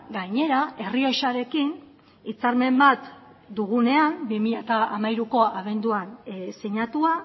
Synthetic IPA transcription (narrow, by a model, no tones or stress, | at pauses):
ɡaɲe̞ɾae̞rio̞jʃaɾe̞kin | it͡saɾme̞mbat̪ | d̪uɣ̞une̞anbimiʎat̪aamajɾuko̞aβe̞nd̪uanseɲat̪ua